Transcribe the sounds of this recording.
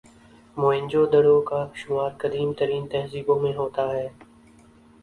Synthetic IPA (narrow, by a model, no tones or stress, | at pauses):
moːɪ̃ɲʲd͡ʒoːd̪əɽoːkaːʃʊmaːɾkəd̪iːmt̪əɾiːnt̪əɦziːbõːmẽɦoːt̪aːɦɛː